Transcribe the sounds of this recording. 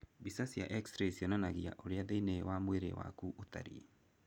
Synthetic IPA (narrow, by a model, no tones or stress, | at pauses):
bisasija̰ʔɛksɾesionanaɣia̰ʔoɾeaðeinewamweɾḛwa̰kuʔota̰ɾḭe